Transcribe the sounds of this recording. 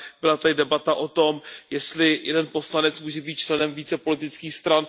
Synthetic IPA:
b̥ɪlat̪adɪdɛbat̪aʔo̞t̪o̞mjɛst̪lɪjɛ̰dɛnpo̞slanɛt͡smuːʒɛbiːt̪̚t͡ʃlɛnɛmviːt͡sɛpo̞lɪt̪ɪt͡skiːxst̪ɾan

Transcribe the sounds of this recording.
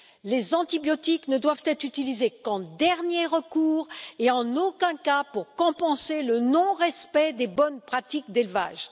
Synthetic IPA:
lezɑ̃t̪ibjɔt̪iknəd̪wav̥t̪ɛt̪χyt̪ilizekɑ̃d̪ɛʁnjeʁəkuːʁeɑ̃nokʲɛ̃kapuʁkɔ̃pɑ̃selənɔ̃ʁɛspɛd̪ebɔnpχat̪ik̚d̪elva̰ːʒ

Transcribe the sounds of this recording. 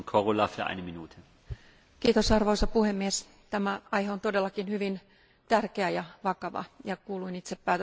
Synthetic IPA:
nkʰoʁolafyːɐʔa̰ɪnəminuːtʰə | kiːt̪osɑrʋoisɑpuhemːies | t̪æmæɑjheont̪odelːɑkinhyʋin | t̪ærkeæjɑʋɑkɑʋɑ̰jɑkuːluinit̪seppæːt̪

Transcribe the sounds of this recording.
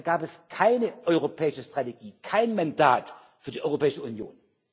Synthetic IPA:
ɡ̥aːpɛskʰaɪnəʔɔʏʁopʰɛːɪʃəstʁ̥ateɡiːkʰaɪnmanda̰ːt | fyːɐdiːʔɔʏʁopʰɛːɪʃəunjo̰ːn

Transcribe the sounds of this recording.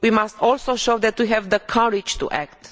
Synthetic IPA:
wimast̪ʰɔlsoʃowd̪ɛt̪wiɦɛvd̪əkʰʌɹid͡ʒt̪ṵʔɛ̰k̚t̪

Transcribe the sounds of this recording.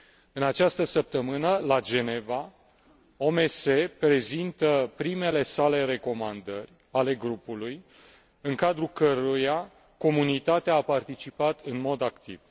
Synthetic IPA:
ɨnat͡ʃast̪əsəp̚t̪əmɨnəlad͡ʒe̞ne̞va | o̞me̞se̞pɾe̞zint̪əpɾime̞le̞sale̞ɾe̞ko̞mand̪ərʲ | ale̞ɡɾupuluj | ɨŋkad̪ɾukəɾuja | ko̞munit̪at̪eaːpart̪it͡ʃipat̪ɨnmo̞d̪akt̪ḭv̥

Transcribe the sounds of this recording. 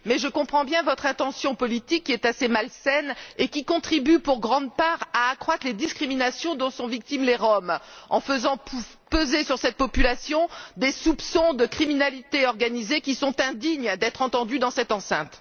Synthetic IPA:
mɛʒəkɔ̃pχɑ̃bjɛ̃vɔt̪χɛ̃t̪ɑ̃sjɔ̃pɔlit̪ikːiɛt̪asemalsɛnekʲikɔ̃t̪χibypuʁɡʁɑ̃d̪paʁaːkχwat̪χled̪iskχiminasjɔ̃d̪ɔ̃sɔ̃vik̚t̪imleʁɔmɑ̰̃fəzɑ̃pu | pøzesyʁsɛt̪̚pɔpylasjɔ̃d̪esupsɔ̃d̪əkχiminalit̪eɔʁɡanizekʲisɔ̃t̪ɛ̃d̪iɲd̪ɛt̪χɑ̃t̪ɑ̃d̪yd̪ɑ̃sɛt̪ɑ̃sɛ̰̃t̪

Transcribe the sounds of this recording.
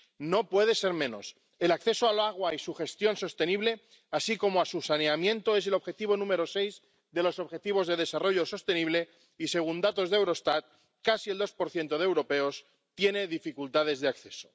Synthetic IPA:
no̞pwe̞ðe̞se̞ɾmẽ̞no̞̰s | e̞lakθe̞soalaɣ̞waisuxe̞st̪jo̞nso̞st̪e̞niβ̞le̞ | asiko̞moasusaneamjẽ̞nt̪oe̞s̬e̞lo̞βxe̞t̪iβo̞nũme̞ɾo̞se̞jz | ðe̞lo̞so̞βxe̞t̪iβo̞zðe̞ð̞e̞saro̞ʝo̞so̞st̪e̞niβle̞ | ise̞ɣ̞und̪at̪o̞zðewɾo̞st̪at̪̚ | kasie̞ld̪o̞spo̞ɾθje̞nt̪o̞ð̞eewɾo̞pe̞o̞s | t̪je̞ne̞ðifikult̪að̞e̞zðe̞akθe̞so̞̥

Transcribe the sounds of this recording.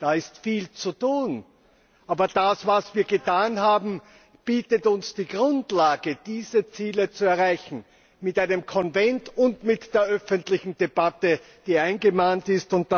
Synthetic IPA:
d̥aːɪstfiːlt͡sutuːn | ʔaːbɐd̥asvasv̥iːɐɡətʰaːnɦaːbm̩ | b̥iːtətʊnsd̥iːɡʁʊntlaːɡəd̥iːzət͡siːlət͡suɛɐʁaɪçn̩ | mɪtaɪnəmkʰɔnvɛntʊntmɪtd̥eːɐʔœfəntlɪçn̩deb̥atə | d̥iːaɪnɡəmaːntɪstʊnt̚d̥a

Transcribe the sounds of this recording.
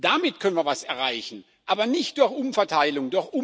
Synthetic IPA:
d̥amɪtkʰœnən̩viːɐvasɛɐʁaɪçn̩ | ʔaːbɐnɪçt̚d̥ʊɐçʔʊmfɛɐtʰaɪlʊŋdʊɐçʔʊ

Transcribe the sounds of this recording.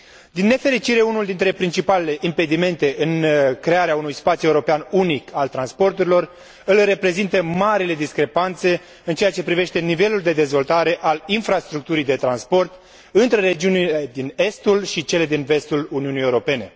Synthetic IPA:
d̪inːe̞fe̞ɾit͡ʃiɾe̞unuld̪int̪ɾe̞pɾint͡ʃipale̞le̞ʔimpe̞d̪ime̞nt̪e̞ʔɨnkɾe̞aɾeaunujspat̪sʲue̞uɾo̞peanunikalt̪ɾanspo̞rt̪uɾilo̞r | ɨlre̞pɾe̞zint̪əmaɾile̞d̪iskɾe̞pant̪se̞ | ɨnt͡ʃe̞at͡ʃe̞pɾive̞ʃt̪e̞nive̞luld̪e̞d̪e̞zvo̞lt̪aɾe̞ʔalinfɾast̪ɾuk̚t̪uɾijd̪e̞t̪ɾanspo̞rt̪ | ɨnt̪ɾe̞ɾe̞d͡ʒiuniled̪ine̞st̪ulʃit͡ʃe̞le̞d̪inve̞st̪uluniunijeuɾo̞pe̞ne̞

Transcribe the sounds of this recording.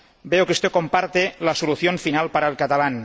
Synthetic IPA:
beowkust̪ekompaɾt̪elasoluθjoɱfinalˠpaɾaelˠkat̪alan

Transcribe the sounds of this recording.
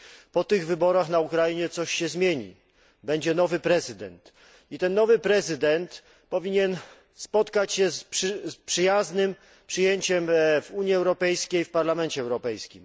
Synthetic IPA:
pɔt̪ɘɣvɘbɔɾaxnaukɾajiɲɛt̪sɔɕɕɛzmʲjeɲḭ | bɛɲd͡ʑɛnɔvɘpɾɛzɘd̪ɛ̰nt̪ | it̪ɛnːɔvɘpɾɛzɘd̪ɛnt̪ | pɔvʲiɲɛn | spɔt̪kat͡ɕɕɛspʂspʂɘjaznɘm | pʂɘjeɲt͡ɕɛmvuɲjiɛwɾɔpɛjskʲejfpaɾlamɛnt͡ɕɛɛwɾɔpɛjskʲim

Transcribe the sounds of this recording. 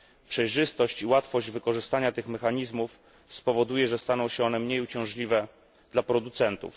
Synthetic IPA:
pʂɛjʐɘst̪ɔɕt͡ɕiwat̪fɔʑd͡ʑvɘkɔʐɘst̪aɲat̪ɘxmɛxaɲizmuf | spɔvɔd̪ujɛʐɛst̪anɔ̃w̃ɕɛɔnɛmɲejut͡ɕɛ̃w̃ʐlʲivɛ | d̪̥lapɾɔd̪ut̪sɛnt̪ṵf

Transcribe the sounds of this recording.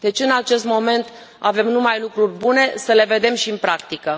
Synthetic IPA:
d̪̥e̞t͡ʃʲɨnat͡ʃe̞st̪mo̞me̞nt̪ | ave̞mnumajlukɾurʲbune̞səle̞ve̞d̪e̞mʃiɨnpɾakt̪ikə

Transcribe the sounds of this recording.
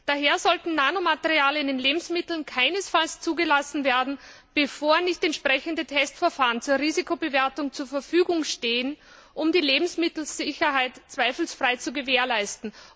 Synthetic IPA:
d̥aɦeːɐzɔltn̩naːnomatəʁiaːləɪndeːnleːbm̩smɪtl̩nkʰaɪnəsfalst͡suːɡəlasn̩veːɐdn̩ | b̥əfoːɐnɪçtɛntʃpʁ̥ɛçəndətʰɛstfɛɐfaːʁənt͡suːɐʁiːzikʰobəveːɐtʊŋt͡suːɐfɛɐfyːɡʊŋʃteːən | ʔʊmdiːleːbm̩smɪtl̩z̥ɪçɐɦaɪtt͡sv̥aɪfl̩sfʁ̥aɪt͡suɡəveːɐlaɪstn̩

